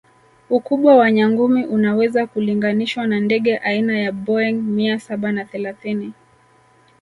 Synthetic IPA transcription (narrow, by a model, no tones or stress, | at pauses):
ukuɓwawaɲaŋɡumiʔunawɛzakuliŋɡaniʃwanandɛɠɛʔainajaɓɔɛŋmiasaɓanaθɛlaθini